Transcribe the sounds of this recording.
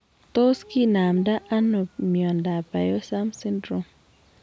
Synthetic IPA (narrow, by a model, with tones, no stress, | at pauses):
t̪o˦ski˦na˨mda˦ʔa˦no˨mjɔ˨nda˨ba˨jɔ˦sa˦msi˦ndɾu˦m